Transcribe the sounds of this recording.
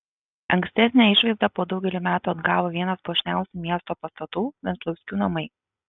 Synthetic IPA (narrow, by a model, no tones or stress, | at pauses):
ɐ̰ŋksʲt̪ʲɛsʲnʲɛːˑɪʃʋɐɪzd̪ɑpoːd̪ɒʊɡʲɛlʲɪmʲæːt̪uːɐd̪ɡɑːʋoːʋʲiɛnɐspoʃʲnʲæˑʊsʲuːmʲiɛst̪oːpɐst̪ɐt̪uːʋʲɛnslˠɐʊsʲkʲuːnɐmɐɪ